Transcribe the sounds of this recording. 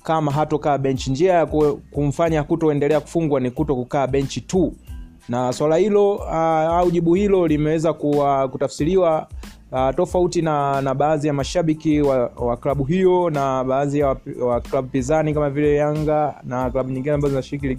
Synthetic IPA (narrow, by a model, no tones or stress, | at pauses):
kamaɦatɔkaːɓɛɲt͡ʃind͡ʒiajakkum̩faɲakutɔɛndɛlɛaku̥fuŋɡwanikutɔkukaːɓɛɲt͡ʃitu | naswalahilɔ | auʄiɓuhilɔlimɛwɛzakuwakutafsiliwa | tɔfautinanaɓaːzijamaʃaɓikiwawaklaɓuɦijɔnaɓaːzijawawaklaɓupizanikamavilɛjaŋɡanaklaɓuɲĩŋɡinɛambazɔzinaʃiɾik̬ili